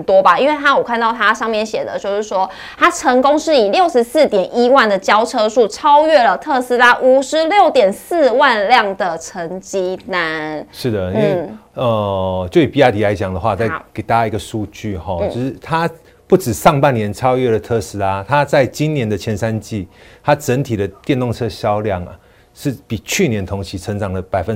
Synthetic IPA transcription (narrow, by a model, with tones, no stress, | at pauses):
nt̪wɔ˥ba˨i˥nwe˥˩ɪt̪ʰa˥wɔ˨˩kʰa˥˧nt̪ɑ˥˩ʊt̪ʰa˥ʂɑ˥˧ŋmjɛ˥˨˩nɕjɛ˨˩d̪ə̰˦t͡ɕjo˥˧ʊʂɻ̩˥˩ʂwɔ˦ | t̪ʰa˥ʈ͡ʂʰə˧˥ŋko˥ŋʂɻ̩˥˩i˨˩ljo˥˩ʊʂɻ̩˧˥s̩˥˩t̪jɛ˨˩ni˦wa˥˩nd̪ə˩t͡ɕjɑ˥ʊʈ͡ʂʰɤ˥ʂu˥˩ʈ͡ʂʰɑ˥ʊɥɛ˥˩lə˨t̪ʰɤ˥˧s̩˥la˥ʔu˨˩ʂɻ̩˧˦ljo˥˨˩ʊt̪jɛ˨˩ns̩˥˧wa˥˧nljɑ˥˨˩ŋd̪ə˩ʈ͡ʂʰə˧˥ŋt͡ɕi˥na˧˦nʂɻ̩˥˩d̪ə˩i˥nw̩e˥˩ə˨˩t͡ɕjo˥˩ʊi˨˩pi˦˥a˥t̪ʰi˨˥a˧˥ɪt͡ɕjɑ˨˩ŋd̪ə˩˨xwa˥˧t͡sa˥˩ɪke˨˩ɪt̪a˥˧˨i˧˥ɡə˨ʂu˥˧t͡ɕy˥˨xɔ˨o˥˧ʂɻ̩˥˩t̪ʰa˦ | pu˥˩ʈ͡ʂɻ̩˨˩ʂɑ˥˧ŋpa˥˩nːjɛ˧˦nʈ͡ʂʰɑ˥ʊɥɛ˥˩lə˨˩t̪ʰɤ˥˩s̩˥la˥t̪ʰa˦t͡sa˥˩ɪt͡ɕi˦nnjɛ˧˦nd̪ə˨t͡ɕʰjɛ˧˥nsa˦nt͡ɕi˥˩t̪ʰa˥ʈ͡ʂə˧˥nt̪ʰi˨˩d̪ə˦t̪jɛ˥˧nt̪o˥˧ŋt͡sʰɤ˥˧ɕjɑ˥ʊljɑ˥˩ŋ˩ | ʂɻ̩˥˩pi˨˩t͡ɕʰy˥˨˩njɛ˧˦nt̪ʰo˧˥ŋt͡ɕʰi˧˥t͡sʰə˧˦˥ŋʈ͡ʂɑ˨˩ŋdə˦pa˨˩ɪfə˦